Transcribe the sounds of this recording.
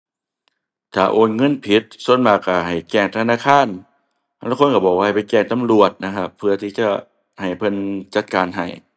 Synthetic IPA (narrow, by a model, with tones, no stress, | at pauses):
t̪ʰaː˨˩ʔoː˨˩nŋɤ˧˥˨npʰi˧˦t̪̚su˧˥ə˨nmaː˧˩ka˧˩ɦa˨˩jkɛː˧˩ŋt̪ʰa˧naː˧˥˨kʰaː˧˥˨n˧ | laː˧˥kʰo˧˥˨nka˧˩bɔː˨˩k̚a˧˨˩jpa˨jkɛː˧˩ŋt̪a˨mlu˨˩ət̪̚na˧kʰa˧˥pʰːɯ˧ɐt̪ʰiː˧˩t͡ɕa˧ | ha˨˩jpʰɤ˧˥˨nt͡ɕa˧˦t̪̚kaː˨nɦa˨˩j